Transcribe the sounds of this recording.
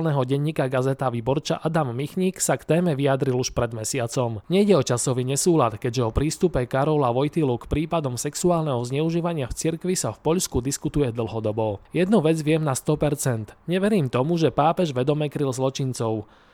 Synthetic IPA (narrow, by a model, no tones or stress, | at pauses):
lnɛɦɔɟɛɲːiːkaɡazɛt̪aʋiːbɔɾt͡ʃa̰ʔad̪amːixɲiːksakt̪ɛːmɛʋiad̪ɾiluʃpɾɛd̪mɛsɪat͡sɔmɲɛiɟɛɔt͡ʃasɔʋiːɲɛsuːlat̪kɛɟʒɛɔpɾiːst̪upɛkaɾɔlaʋɔjt̪ilukpɾiːpad̪ɔmsɛksuaːlnɛɦɔzɲɛuʒiːʋaɲɪaft͡siɾkʋisafpɔʎskud̪iskut̪ujɛd̪l̩ˠɦɔd̪ɔbɔjɛd̪nuʋɛd͡zʋɪɛmnast̪ɔpɛɾt͡sɛnt̪ɲɛʋɛɾiːmt̪ɔmuʒɛpaːpɛʒʋɛd̪ɔmɛkɾilzlɔt͡ʃint͡sɔʊ